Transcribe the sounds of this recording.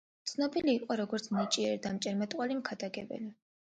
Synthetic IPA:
t̪sʰnɔbiliːqʼɔɾɔɡɔɾt̪sʰnit͡ʃʼiɛɾid̪amt͡ʃʼɛɾmɛt̪ʼqʼwalimkʰad̪aɡɛ̰bɛ̰li

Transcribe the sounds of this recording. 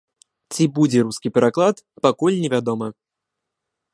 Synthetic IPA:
t͡sʲibud͡zʲɛɾuskʲipʲɛɾaklˠat̪ | pakulʲnʲɛvʲad̪ɔmɐ

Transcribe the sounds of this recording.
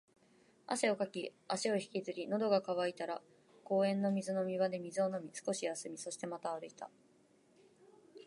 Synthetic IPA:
a̰se̞o̞kakʲiaɕio̞çi̥kʲizɨɾʲino̞d̪o̞ɡakaβait̪aɾa | ko̞ːẽ̞nːo̞mʲizɨno̞mʲiβad̪e̞mʲizɨo̞no̞mʲisɨ̥ko̞ɕijasɨmʲiso̞ɕi̥t̪e̞mat̪aːɾɯ̟it̪a̰

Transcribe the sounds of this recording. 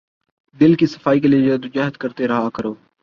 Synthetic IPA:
d̪ɪlkiːsə̥faːiːk̬elijed͡ʒaːd̪ʊd͡ʒaːɦət̪kəɾt̪eɾəɦaːkəɾoː

